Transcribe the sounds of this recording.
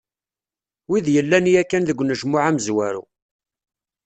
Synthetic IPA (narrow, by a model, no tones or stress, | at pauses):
wiðjəlːænijækːænðəɡʷːnəʒmʊʕæməzwæɾṵ